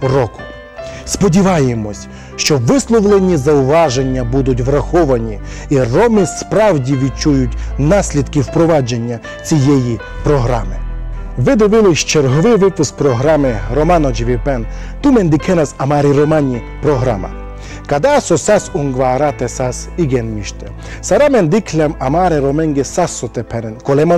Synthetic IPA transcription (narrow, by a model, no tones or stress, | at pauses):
rɔkʊ̥ | spɔdʲiʋɑjemɔsʲ | ʃt͡ʃɔʋɪslˠɔʋlˠenʲizɐʊʋɑʒe̞nʲːɐbud̪ʊt̬ʲʋɾɐxɔʋɐnʲiirɔmɪspɾɑwdʲiʋʲid̚t͡ʃujʊtʲnɑsʲlʲid̪kɪwpɾɔʋɑd͡ʒenʲːɐ | t͡sʲijɛji | pɾɔɦɾɑ̰mɪʋɛd̪ɔʋɪliʃt͡ʃɛɾɦɔʋɪʋɪpɪspɾɔɦɾamɛɾɔmanɔd͡ʒiʋʲipɛn | t̪umɛnd̪ikʰɛnasamaːɾiɾɔmanʲi | pɾɔɦɾa̰ma̰ | kad̪asɔsasuŋɡʋaːɾat̪ɛsas | iɡɛnmiʃt̪ɛ | saɾamɛnd̪ikʰlʲamamaːɾɛɾɔmɛŋɡɛsasːɔt̪ɛpʰɛnɛnkɔlɛma